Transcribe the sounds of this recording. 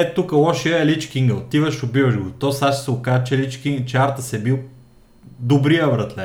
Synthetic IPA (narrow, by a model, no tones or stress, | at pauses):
ɛt̪ukəlˠɔʃiəɛlit͡ʃkiŋɡəlt̪ivɐʃobivɐʒɡot̪osaʃsɛokaʒət͡ʃɛlit͡ʃkiŋɡt͡ʃɛaɾt̪əsɛbilˠ | d̪obɾiəvɾɐt̪lɛ